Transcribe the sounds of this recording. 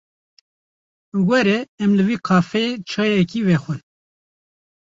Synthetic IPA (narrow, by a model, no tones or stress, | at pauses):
wɛɾɛɛmlɨviːqʰɑːfɛet͡ʃʰɑːjɛkiːvɛxʷɨn